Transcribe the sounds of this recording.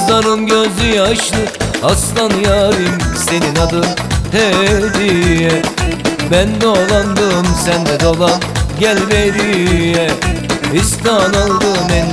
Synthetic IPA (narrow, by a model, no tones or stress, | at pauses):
d̪ˠaɾɯnɟøzyjɛaʃlˠɯaslˠanɯjaɾɯmse̞ninad̪ɯmt̪ʰɛd̪ijɛ | bænd̪olˠand̪ɯmsænd̪ɛd̪o̞lˠanɟælʲbed̪ijɛ | ist̪analˠd̪ɯmɛn